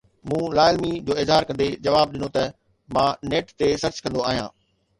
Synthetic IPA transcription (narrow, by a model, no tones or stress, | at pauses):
mũːlaːɪəlmid͡ʑoːɪzɦaːɾkɐ̃nd̪ed͡ʑɐʋaːb̚ɗɪnot̪ɐ | mãːneːʈt̪esɐɾt͡ɕkɐ̃nd̪oaːɦijãː